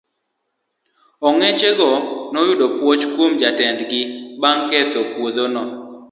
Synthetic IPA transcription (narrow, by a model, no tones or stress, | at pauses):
ɔŋɛt͡ʃeɡɔnɔjʊdɔpwot͡ʃkwomd͡ʒatɛndɡɪbaŋkɛt̪opwod̪onɔ